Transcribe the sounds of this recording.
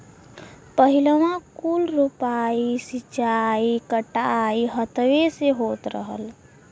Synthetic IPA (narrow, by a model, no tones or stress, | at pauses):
pəɦiləʋãkulɾupaisit͡ʃaikəʈaiɦət̪ʋeseɦot̪ɾə̰ɦə̰l